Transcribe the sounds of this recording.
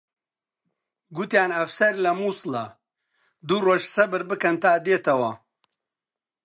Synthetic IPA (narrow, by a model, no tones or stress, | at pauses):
ɡut̪jaːnɐfsɐɾlɐmuːsɨlɐ | d̪uroːʒsɐbɨɾbɨkɐnt̪aːd̪eːt̪ɐwɐ